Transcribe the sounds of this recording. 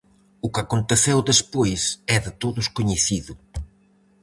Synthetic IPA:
ʊkakont̪eθewðespojsɛðɪt̪oðʊskoɲeθiðʊ

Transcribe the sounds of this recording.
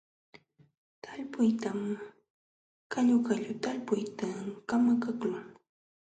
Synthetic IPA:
t̪ʰaʎpʊjt̪am | kaʎʊkaʎʊt̪alpʊjt̪akamakaklʊŋ

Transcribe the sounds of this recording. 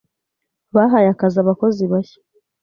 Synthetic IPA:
βaɦajakazaβako̞ziβaçḁ

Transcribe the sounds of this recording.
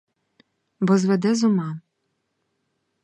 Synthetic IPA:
bɔzʋɛd̪ɛzʊmɑ

